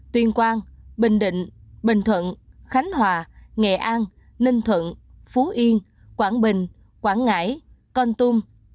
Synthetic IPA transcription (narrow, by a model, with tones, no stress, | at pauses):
t̪wi˧ənkwaː˧nɓï˧˨ŋ̟ɗḭ̈˧˨ŋ̟ɓï˨ŋt̪ʰwə̰˧˨nxa˨˦jŋ̟hwaː˨˩ŋɛ̰˧˨ʔaː˧n | nï˧ŋt̪ʰwə̰˧˨n | fu˨˦ʔi˧ən | kwaː˧˩nɓï˨ŋ̟ | kwaː˧˩nŋa̰ː˧˥j | kɔ˧nt̪u˧m